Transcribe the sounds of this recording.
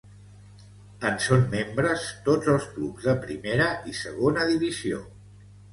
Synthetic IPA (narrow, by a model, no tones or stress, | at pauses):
ənsomːembɾəst̪od͡zəlˠsklubzðəpɾḭmeɾəʔisəɣ̞onəðiβizio̰